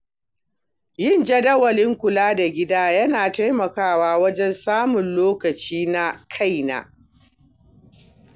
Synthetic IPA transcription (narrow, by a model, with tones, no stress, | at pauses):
jɪ˦˨nd͡ʒɐ˦dɐ˦wɐ˨lɪ˦ŋkʷʊ˨laː˦da˨ɡʲɪ˦daː˦jɐ˦naː˨ta˦jmɐ˨kaː˦˨waː˦wɐ˦d͡ʒɛ˦nsaː˦mʊ˨nloː˦kɐ˨t͡ʃiː˦na˦kʰa˦jna̰˨